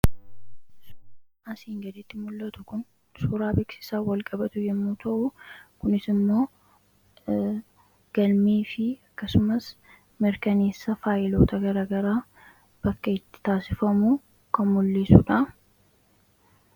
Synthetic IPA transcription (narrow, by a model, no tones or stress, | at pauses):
s | ɐsiːŋɡɐd̪ɪt̪ːɪmʊlːɐt̪ʊkʊn | suːɾaːbeːksɪ̥saːwɐlkʼɐbɐt̪ʊjɛmːuːt̪ʰɐʔukʊnɪsɪmːo̞ː | ɡ̥ɐlmiːfɪɐkːɐsʊmɐs | mɪɾkɐne̞ːsːɐfaːjɪlo̞ːt̪ʰɐɡɐɾɐɡɐɾaː | b̥ɐkːɐɪt̪ːɪ̥t̪aːsɪfɐmuː | kɐmʊlːiːsʊᶑɐ